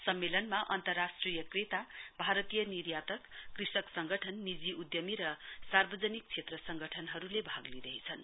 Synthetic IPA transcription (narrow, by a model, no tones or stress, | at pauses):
sʌmːelʌnmaʔʌnt̪ʌrasʈrijʌkret̪abʱaɾʌt̪ijʌnirjat̪ʌkkrisʌksʌŋɡʌʈʰʌnːid͡ziʔud̪jʌmiɾʌsarbʌd͡zʌnik̚t͡sʰet̪rʌsʌŋɡʌʈʰʌnɦʌɾulebʱaɡlid̪ʌɦit͡sʰʌn